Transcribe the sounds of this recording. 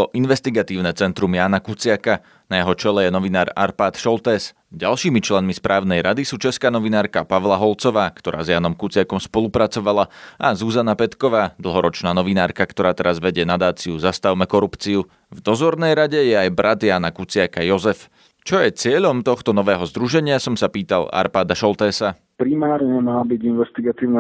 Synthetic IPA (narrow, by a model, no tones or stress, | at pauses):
ɔʔinʋɛst̪iɡat̪iːʊnɛt͡sɛnt̪ɾumjaːnakut͡sɪaka | najɛɦɔt͡ʃɛlɛjɛnɔʋinaːɾa̰ɾpaːt̪ʃɔlt̪ɛs | ɟalˠʃiːmit͡ʃlɛnmispɾʔaːʊnɛjɾad̪isuːt͡ʃɛskaːnɔʋinaːɾkapaʋlaɦɔlt͡sɔʋaːkt̪ɔɾʔa̰ːzjaːnɔmkut͡sɪakɔmspɔlˠupɾat͡sɔʋalaʔazuzanapɛt̪kɔʋaːd̪l̩ˠɦɔɾɔt͡ʃnaːnɔʋinaːɾkakt̪ɔɾaːt̪ɛɾazʋɛɟɪɛnad̪aːt͡siuzast̪aʊmɛkɔɾupt͡siu | vd̪ɔzɔɾnɛjɾaɟɛjɛajbɾʔad̪jaːnakut͡sɪakajɔzɛf | t͡ʃɔjɛt͡sɪɛʎɔmt̪ɔxt̪ɔnɔʋɛːɦɔzd̪ɾuʒɛɲɪasɔmsapiːt̪alˠa̰ɾpaːd̪aʃɔlt̪ɛːsa | pɾimaːɾɲɛmaːbiɟinʋɛst̪iɡat̪iːʊna